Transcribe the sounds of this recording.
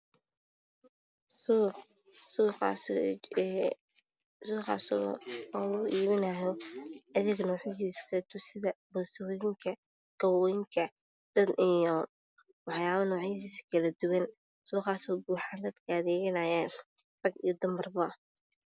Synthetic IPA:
su | suːqɑ̰s | suːqɑ̰s | uʔiːβɪnɐjɔɐðɪɡnɔːʕisiːskʰɐɐt̪ʰʊsɪðɐbɔsɐwjɪŋkʰɐ | ɡ̥ɐwɔjɪŋkʰɐ | d̪̥ɐd̪ʔijɔ | wɑħjaːβɐnɔːʕɪsiːskʰɐlɐd̪ʊwɐn | suːqɑːsɔːbuːħaːnd̪ɐd̪kʰɐðɛːɣɐnɐjaːn | rɐɡḭjɔd̪ɐmɐrbɐ

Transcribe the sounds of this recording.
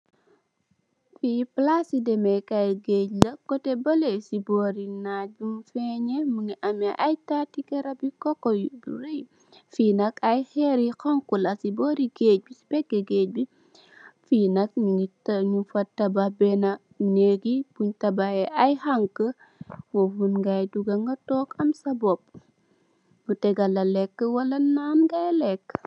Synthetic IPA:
fiplasidɛmɛkɐjɡeclɐkɔtɛbɐlesibɔɾinaɟumfɛɲɛmuŋiʔɐmɛʔajtatikɛɾɐbikɔkːɔbuɾej | fiːnɐkɐjxɛɾixɐŋkulɐsibɔːɾiɡeːc̚bisi̥bɛkːɛɡeːc̚bi | fiːnɐk̚ɲuŋitɐɲufɐtːɐbahbɛnɐ | neɡibuɲtɐbahɛʔɐjhaŋkə | wofunŋɡajduɡɐŋɡɐtɔːkɐmsɐbɔp̚ | mutɛɡɐlɐlɛkːəwɐlɐnaːnɡajlɛkː

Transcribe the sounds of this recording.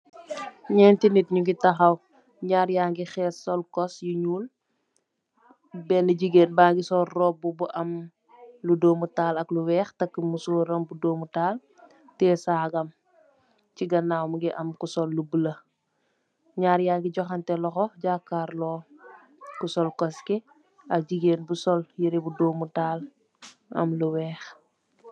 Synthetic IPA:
ɲɛːntinitɲuɡitɐxɐw | ɲaːɾjaːŋɡixɛːsɔlkɔsjuɲuːl | bɛniɟiɡeːnbaːŋɡisɔrrɔːbubuʔɐm | ludoːmutaːlɐkluwɛːxtɐkːəmusoːɾɐmbudoːmutaːl | tɛːsaːɡɐm | ciɡɐnawmuɡiʔɐmkusɔlːubulɐ | ɲaːɾjaɡiɟɔxɐntɛlɔxɔɟaːkːaːɾlɔː | kusɔlkɔskɛ | ɐk̚ɟiɡeːnbusɔljiɾibudoːmutaːl | ʔɐ̰mluwɛːx

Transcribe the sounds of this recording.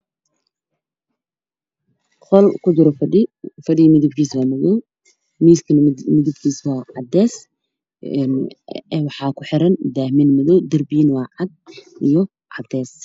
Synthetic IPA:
χɔlkʰʊd͡ʒɪɾɔfɐɖifɐɖimɪðɪb̚kʰiːswaːmɐðɔw | miːskʰɐnmɪðɪb̚kʰiːswɑːʕɑd̪ɛːs | nːwɑħɑːkʰʊħɪɾɐnd̪aːhmɪnmɐðɔwd̪ɐrbiːnwɑːʕɑd̪̚ʔijɔ | ʕɑd̪ɛːs

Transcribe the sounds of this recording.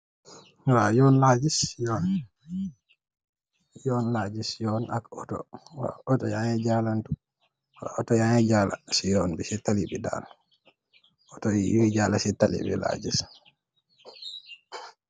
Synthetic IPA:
wajɔnlad͡ʒisjɔn | jɔnlaːd͡ʒisjɔnakɔtɔ̰wa̰ɔtɔjaŋɛd͡ʒalantu | waɔtɔjaŋɛd͡ʒala̰sijɔnbisitalibida̰l | ʔɔtɔjḭjd͡ʒaːlasitalḭbḭla̰d͡ʒis

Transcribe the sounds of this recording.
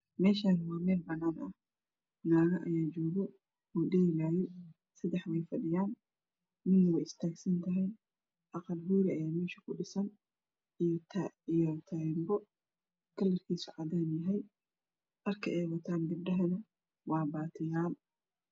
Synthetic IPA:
mɛːʃaːnwaːmɛːlbɐnaːnʔɐh | naːɣɐʔɐjaːd͡ʒɔːɣɔ | ɔːɖɛːɪlaːjɛ | sɐd̪ɛħmɛjfɐɗɪjaːn | mɪnːwɛjɪst̪ʰaːɡsɐnt̪ʰɐɦɛj | ʔɑqɐlhuːɾɪɐjaːmɛːʃɐ̥kʰʊɗɪsɐn | ʔijɔt̪ʰɐijɔt̪ʰɐjmbɔ | kʰɐlːɐrkʰiːsʊʕad̪aːnjɐɦɛj | ʔɐrkʰɐʔɛjwɐt̪ʰaːnɡɐb̚ɖɐɦɐnɐ | wɑːbaːt̪ʰɪjaːl

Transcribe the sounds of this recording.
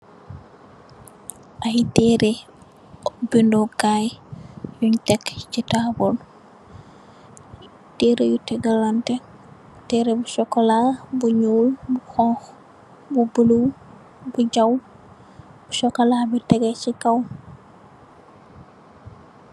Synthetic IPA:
ʔajtɛɾe | bindokajjuɲtɛkcitabɔl | teɾejutɛɡalːantɛk | tɛɾebusɔkːɔlabuɲuwlbuxɔ̃ŋx | bubuluw | buɟaw | buʃɔkːɔlabitɛɡɛt͡ʃikaw

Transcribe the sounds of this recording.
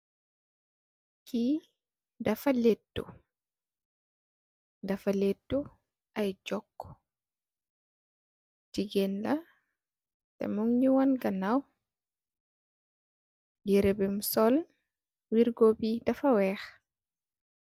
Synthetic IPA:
ki | dafaletːṵ | dafaledːu | ʔajd͡ʒɔkːɔ̥ | d͡ʒiɡɛnla | tɛ̰muŋɲiwɔnɡanaw | jiɾɛbɛmsɔl | wiɾɡɔbidafawɛːx

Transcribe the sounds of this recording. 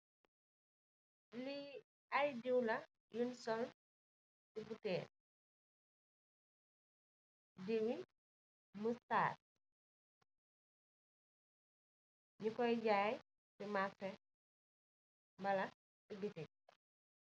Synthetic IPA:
li | ajdiwlɐ | junsɔl | tibutɛːn | diwi | məsta̰ːt̚ | ɲukɔjɟaːj | timafɛ | mbɐlɐ | tiɡiti

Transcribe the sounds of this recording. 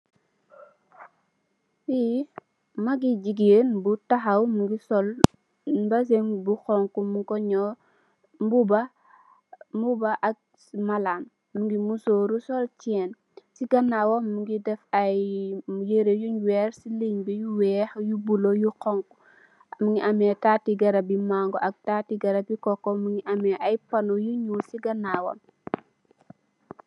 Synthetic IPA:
wi | mɐɡid͡ʒiɡenbutaɦɐwmuŋɡisɔl | bɐs̬eŋbuxɔŋkumukɔɲɔ | buba | mubaʔak̚ | malamː | uŋɡimusoːɾusɔlt͡ʃɛːn | siɡɐnːaːwɔnmuŋɡidɛfɐjjeɾejuɲwɛːɾsiliŋbijuwɛːxjubulɔjukɔŋk | muŋiʔamɛtaːtiɡɐɾɐbimaːŋɡɔɐk̚tatiɡɐɾɐbikɔkːɔmuŋɡiʔɐmɛʔɐjpɐnɔjuɲusiɡɐnːawɔ̰n

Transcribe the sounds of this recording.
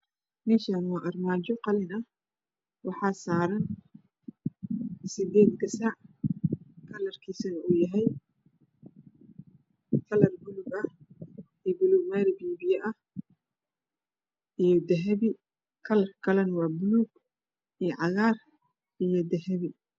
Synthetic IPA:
mɛːʃaːnɑːʔɐrmaːd͡ʒɔqɑlɪnɐ | wɑħɑːsaːɾɐn | sɪd̪ɛːd̪ɡɐsaʕ | kʰɐlɐrkʰiːsɐnɐuːjɐɦɛj | kʰɐlɐrbʊlʊɡɐh | iːbʊluːɡwaːɾɪbiːbɪjɐʔɐh | ʔijɔd̪ɐɦɐβɪ | kʰɐlɐrkʰɐlɛnɐwɑːbʊluːɡ | ijɔʕɑɣaːr | ʔijɔd̪ɐɦɐβɪ

